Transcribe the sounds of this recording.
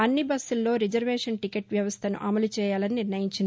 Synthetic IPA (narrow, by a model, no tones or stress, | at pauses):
ɐnːibɐsːulːo̞ːɾid͡ʒɐɾʋeːʂɐnʈikeʈʋjɐʋɐst̪ʰɐnṵʔɐmɐlut͡ʃɛːjaːlɐniniɾnɐjiɲt͡ʃind̪i